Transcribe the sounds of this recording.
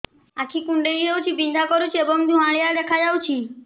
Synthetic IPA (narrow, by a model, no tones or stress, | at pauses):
ãkʰikũɳɖeɾiɦewt͡ʃʰipĩnd̪ʱakɔɾut͡ʃʰiebɔŋd̪ʱũãɭijad̪ɛkʰad͡ʒawt͡ʃʰi